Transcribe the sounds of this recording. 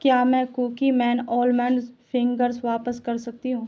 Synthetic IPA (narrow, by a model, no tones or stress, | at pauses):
kjaːmɛ̃ːkuːkimɛ̃ːnɔːlmɛ̃ːnzfʰɪ̃ŋɡəɾzʋaːpəskɐɾsɐk̚t̪iɦũː